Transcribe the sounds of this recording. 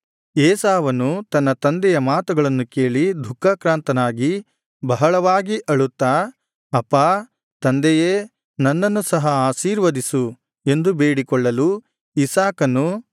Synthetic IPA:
ɛːsaːʋɐnːut̪ɐnːɐt̪ɐnd̪ɛjɐmaːt̪uɡɐɭɐnːukeːɭid̪ʱukːaːkɾaːnt̪ɐnaːɡi | bɐɦɐɭɐʋaːɡiʔɐɭut̪ːaː | ɐpːaː | t̪ɐnd̪ɛje | nɐnːɐnːusɐɦɐaːʃiːɾʋɐd̪isu | e̞nd̪ube̞ːɽikɔɭːɐlu | isaːkɐnːu

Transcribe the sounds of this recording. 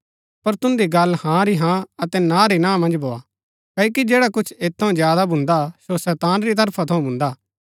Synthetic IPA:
pɐɾt̪ʊ̃nd̪iɡɐlhãɾiɦãɐt̪ɛnãːɾinãːmɐ̃nd͡ʒbʱoːa̰ | kɐːjokid͡ʒeːɽakʊt͡ʃʰeːt̪ʰːɐũd͡ʒjaːd̪abʱʊ̃nd̪asosɛːt̪aːnɾit̪̬ɐɾpʰat̪ʰɐũbʱʊ̃nd̪aː

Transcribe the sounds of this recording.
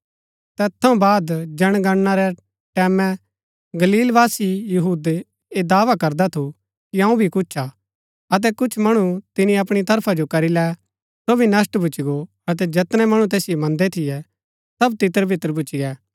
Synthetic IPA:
t̪ɛːt̪ʰːɐũbaːd̪d͡ʒɐɽ̃ɡɐɽnːaɾɛ | ʈɛːmɛ̃ | ɡɐliːlʋaːsijɐɦuːd̪e | ed̪aːʋakɐɾd̪at̪ʰu | kiɐ̃ũbʱikʊt͡ʃʰa | ɐt̪̬ɛkʊt͡ʃʰmɐɽ̃ut̪ɪnĩɐpɽ̃it̪ɐɾpʰad͡ʒokɐɾilɛ | sobʱinɐs̬ʈbʱʊt͡ʃiɡo | ɐt̪̬ɛd͡ʒɛt̪nɛ̃mɐɽ̃ũt̪ɛːsɪjomɐ̃nd̪ɛt̪ʰɪjɛ | sɐbt̪ɪt̪əɾbʱɪt̪ːəɾbʱʊt͡ʃiɡɛː

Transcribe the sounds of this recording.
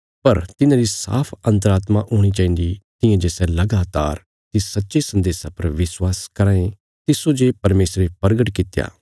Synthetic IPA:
pɐɾt̪ɪnãːɾisa̰ːpʰɐ̃nt̪̬əɾaːt̪maʔoːɽ̃it͡ʃaːĩnd̪it̪ɪ̃jãd͡ʒeːsɛlɐɡaːt̪aːɾ | t̪isɐtːʃesɐ̃nd̪eːsapɐɾʋɪswaːskɐɾãːẽ | t̪ɪsod͡ʒepɐɾmeːsɾepɐɾɡəʈkɪt̪ja̰ː

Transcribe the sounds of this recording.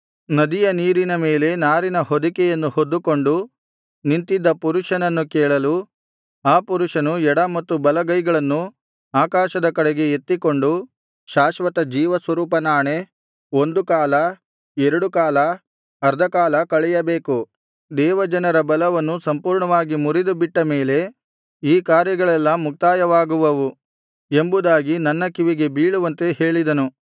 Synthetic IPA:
nɐd̪ijɐniːɾinɐme̞ːle̞naːɾinɐhod̪ikɛjɐnːuhod̪ːuko̞ɳɖu | nint̪id̪ːɐpuɾuʂɐnɐnːukɛːɭɐlu | aːpuɾuʂɐnuɛɽɐmɐt̪ːubɐlɐɡɐjɡɐɭɐnːu | aːkaːʃɐd̪ɐkɐɽeɡe̞et̪ːiko̞ɳɖu | ʃaːʃʋɐt̪ɐd͡ʒiːʋɐsʋɐɾuːpɐnaːɳe | o̞nd̪ukaːlɐ | ɛɾɐɽukaːlɐ | ɐɾd̪ʱɐkaːlɐkɐɭɛjɐbeːku | d̪ɛːʋɐd͡ʒɐnɐɾɐbɐlɐʋɐnːusɐmpuːɾɳɐʋaːɡimuɾid̪ubiʈːɐme̞ːle̞ | iːkaːɾjɐɡɐɭɛlːɐmuk̚t̪aːjɐʋaːɡuʋɐʋu | e̞mbud̪aːɡinɐnːɐkiʋiɡe̞biːɭuʋɐnt̪e̞he̞ːɭid̪ɐnu

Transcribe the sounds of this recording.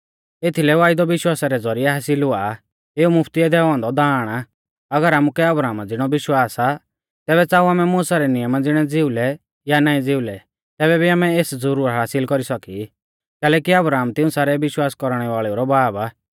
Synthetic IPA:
et̪ʰilɛʋaːɪd̪ɔʋɪʃwaːsaɾɛd͡zɔɾijɛɦaːsɪlɦʊa | eːumʊpʰt̪iɛd̪ɛːʋãːnd̪ɔd̪aːɽ̃a | ɐɡəɾaːmukɛɐbɾaːmad͡zɪɽ̃ɔbɪʃwaːsa | t̪ɛːβɛt͡saːuaːmɛmuːsaɾɛnɪjəmad͡zɪɽ̃ɛd͡zɪulɛ | janaːĩd͡zɪulɛ | t̪ɛːβɛbʱiaːmɛeːsd͡zɔɾuɾɦaːsɪlkɔɾisɔki | kɛːlɛːkiɐbɾaːmt̪ɪ̃ũsaːɾɛʋɪʃwaːskɔɾɽ̃ɛʋaːɭɛuɾɔbaːba

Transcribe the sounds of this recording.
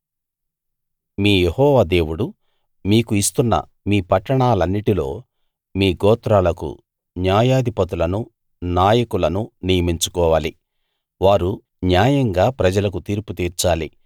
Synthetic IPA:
miːjehɔːʋaːd̪e̞ːwuɽu | miːkuist̪unːɐ̰ | miːpɐʈːɐɳaːlɐnːiʈilo̞ː | miːɡɔːt̪ɾaːlɐkṵ | njaːjaːd̪ipɐt̪ulɐnu | naːjɐkulɐnunijɐmiɲt͡ʃu̥kɔːʋaːli | ʋaːɾu | njaːjɐŋɡaːpɾɐd͡ʒɐlɐkut̪iːɾput̪iːɾt͡ʃaːli

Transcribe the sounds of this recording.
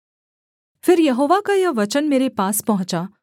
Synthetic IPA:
fɪɾjɐɦoːʋakajɐʋɐt͡ʃənmeːɾepaːspɐɦʊ̃t͡ʃa

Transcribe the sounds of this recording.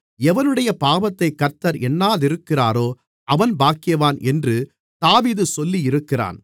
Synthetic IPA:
ɛʋɐnɯɽɐjɐpaːʋɐt̪ːɐɪkːɐɾt̪ːɐɾɛnːaːðɪɾɯkːɪraːɾoː | ʔɐʋɐnbaːkːɪjɐʋaːnʔɛndrɯ | t̪aːʋiːðɯsɔlːijɪɾɯkːɪra̰ːn

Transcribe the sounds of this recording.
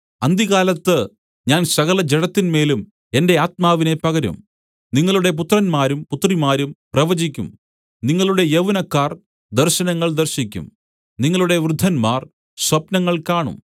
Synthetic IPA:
ɐnd̪iɣaːlɐt̪ːɨ | ɲaːnsɐɣɐlɐd͡ʑeɽɐt̪ːinme̞ːlum | e̞nde̞aːt̪̚maːʋine̞pɐɣɐɾṵm | niŋːɐɭuɽe̞p̬ut̪ːrɐnmaːɾumput̪ːrimaːɾumprɐʋɐd͡ʑikʲːṵm | niŋːɐɭuɽe̞jeʋunɐkːaːr | d̪ɐrɕɐnɐŋːɐɭd̪ɐrɕikʲːṵm | niŋːɐɭuɽe̞ʋrɨd̪ʱːɐnmaːr | swɐpnɐŋːɐɭkaːɳṵm

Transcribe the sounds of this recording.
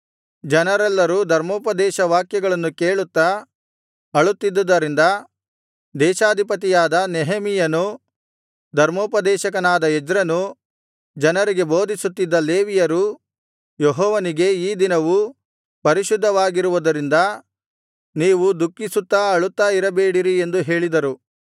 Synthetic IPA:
d͡ʒɐnɐɾɛlːɐɾuːd̪ʱɐɾmoːpɐd̪ɛːʃɐʋaːkjɐɡɐɭɐnːuke̞ːɭut̪ːɐ | ɐɭut̪ːid̪ːɐd̪ːɐɾind̪ɐ | d̪ɛːʃaːd̪ʱipɐt̪̬ijaːd̪ɐnɛɦɐmijɐnu | d̪ʱɐɾmoːpɐd̪ɛːʃɐkɐnaːd̪ɐɛd͡ʒɾɐnu | d͡ʒɐnɐɾiɡe̞boːd̪ʱisut̪ːid̪ːɐleːʋijɐɾu | jeɦɔːʋɐniɡe̞iːd̪inɐʋu | pɐɾiʃud̪ʱːɐʋaːɡiɾuʋud̪ɐɾind̪ɐ | niːʋud̪ukːisut̪ːaɐɭut̪ːaːiɾɐbeːɽiɾie̞nd̪uɦe̞ːɭid̪ɐɾu

